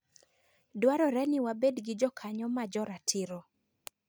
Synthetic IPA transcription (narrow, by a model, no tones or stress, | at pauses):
dwaɾɔɾɛnɪwabedɡɪd͡ʒɔkʰaɲɔmad͡ʒɔɾatʰɪɾɔ